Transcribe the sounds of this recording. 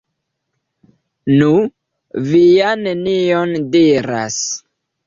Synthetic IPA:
nu | vijaneniondiɾa̰s

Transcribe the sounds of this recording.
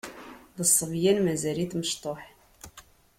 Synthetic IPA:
ðəsˤːəvjænmæzæɾit̪məʃt̪ˤoħ

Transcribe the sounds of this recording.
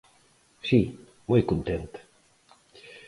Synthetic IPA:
si | mojkunt̪ent̪ḁ

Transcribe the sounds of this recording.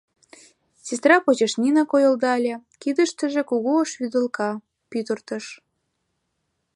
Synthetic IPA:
sʲes̬t̪rɑpot͡ɕeʃnʲinɑkojə̆ld̪ɑlʲĕkid̪əʃt̪ə̆ʒĕkuɣoːʃβyd̪ə̆lkɑ | pyt̪ərt̪ə̆ʃ

